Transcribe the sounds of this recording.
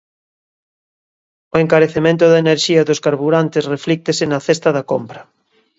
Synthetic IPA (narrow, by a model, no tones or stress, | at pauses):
oeŋkaɾeθemẽnt̪ʊðaeneɾʃiɐðʊskaɾβuɾant̪esreflik̚t̪esɪnɐθest̪ɐðɐkompɾɐ